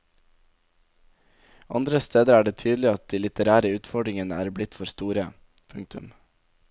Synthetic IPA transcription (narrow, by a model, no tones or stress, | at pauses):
ʔɑ̰nd̪ɾəst̪eːd̪əɾæːɖeːt̪ʰyːd̪l̩ɪɑt̪̚d̪iːlɪt̪əɾæːɾəʉːt̪fɔɖɾɪŋənəæ̰ːɾblɪt̪fɔɾst̪uːɾə | pʰʉŋt̪ʉ̰m